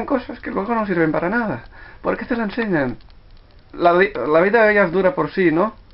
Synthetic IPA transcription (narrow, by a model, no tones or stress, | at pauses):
ŋkosaskelweɣ̞onos̬iɾβ̞empaɾanaðapo̰ɾket̪elaenseɲan | laβilaβiðaðeʎazðuɾapoɾsino